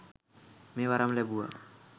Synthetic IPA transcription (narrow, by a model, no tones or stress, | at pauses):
mewaɾamlɛbua̰